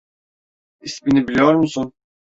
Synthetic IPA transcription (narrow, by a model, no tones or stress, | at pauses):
isbinibilʲijoɾmusun